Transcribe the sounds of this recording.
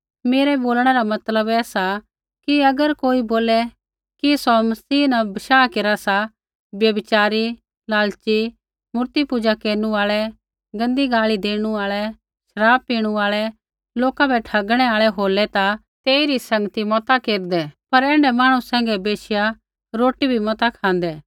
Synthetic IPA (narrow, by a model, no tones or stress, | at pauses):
meːɾɛboːlɽ̃ɛɾamɐt̪ləbɛːsa | kiɐɡəɾkoːiboːlɛ | kisɔmɐsiːnabɐʃaːkeːɾasa | bjɐbɪt͡ʃaːɾi | laːlt͡ʃi | mʊɾt̪ipud͡ʒakeːɾnuaːɭɛ | ɡɐ̃nd̪iɡaːɭid̪eːɽ̃uaːɭɛ | ʃɐɾaːb̚piːɽ̃uaːɭɛ | loːkabʰɛʈʰɐɡɽ̃ɛaːɭɛɦoːlɛt̪a | t̪eːiɾisɐ̃ŋɡət̪imɔt̪akeːɾd̪ɛpɐɾɛ̃ːɳɖɛmaːɽ̃ũsɛ̃ːŋɡɛbeːʃɪja | ɾoːʈibʱimɔt̪akʰãːnd̪ɛː